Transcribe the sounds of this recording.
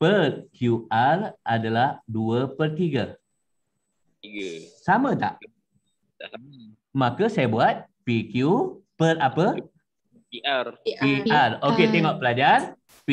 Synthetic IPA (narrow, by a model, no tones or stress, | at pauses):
pərkjuarʔadalahduəpərt̪iɡə | samə̃t̪a̰ʔ | makasajabuat̪̚pikjupərapə | iariaroket̪ɛŋɔʔpəlad͡ʒar | p